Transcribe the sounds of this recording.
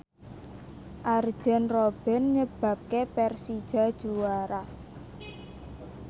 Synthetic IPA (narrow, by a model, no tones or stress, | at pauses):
ʔard̥ʒ̥ɛ̤nrɔb̥ɛ̤nɲəb̥a̤p̚kepɛrsid̥ʒ̥a̤d̥ʒ̥uwaɾa